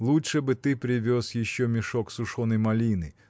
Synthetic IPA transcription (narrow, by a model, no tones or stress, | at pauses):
lˠutʂɛbɨt̪ɪpɾʲɪʋʲosjɪɕːomʲɪʂɔksʊʂɔnɨjmɐlʲinɨ